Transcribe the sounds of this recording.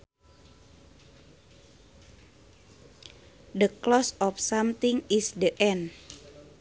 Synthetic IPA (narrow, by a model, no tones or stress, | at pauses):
dəklɔsɔfsamt̪iŋisdəʔɛn